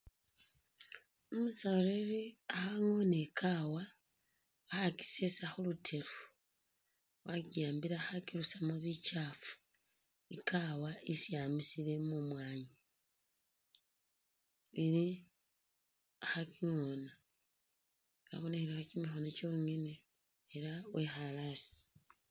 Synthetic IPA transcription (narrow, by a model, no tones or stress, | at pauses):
omusaɾeɾiaxaŋo̞nekʰawa | waxaki̥sesaxulutʰe̞ɾu | wakijaːmbiɾaxakiɾusamaβit͡ʃafu̥ | ikawaisijaːmisile̞mumwaːɲi | ili | axakiŋona | ka̰βoneeɾexat͡ʃimixonot͡ʃo̞ːŋeneː | ɾawexalasi̥